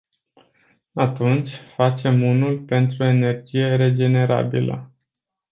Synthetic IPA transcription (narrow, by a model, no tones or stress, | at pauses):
at̪unt͡ʃʲfat͡ʃe̞munulpe̞nt̪ɾue̞ne̞rd͡ʒije̞ɾe̞d͡ʒe̞ne̞ɾa̰bḭlə̰